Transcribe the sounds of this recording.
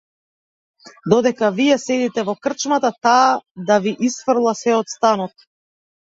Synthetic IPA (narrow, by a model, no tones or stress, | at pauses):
d̪ɔd̪ɛkavijɛsɛd̪it̪ɛvɔkr̩t͡ʃmat̪at̪aːd̪aviʔisfr̩lˠasɛɔt̪st̪anɔt̪